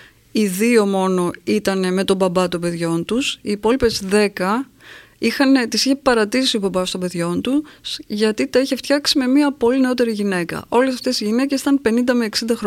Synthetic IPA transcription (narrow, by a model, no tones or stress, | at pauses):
iðio̞mo̞no̞it̪ɐne̞me̞t̪o̞bɐbɐt̪o̞be̞ðʝo̞nt̪usiːpo̞lipe̞zðe̞kɐ | ixɐnet̪isiçe̞pɐɾɐt̪isiobɐbɐst̪obe̞ðʝo̞nt̪usʝɐt̪it̪ɐiçe̞ft̪çɐksime̞miɐpo̞line̞o̞t̪e̞ɾiʝine̞kɐ̰ʔo̞le̞sɐft̪e̞siʝine̞cesi̥t̪ɐnpe̞nind̪ɐmeːksind̪ɐxɾo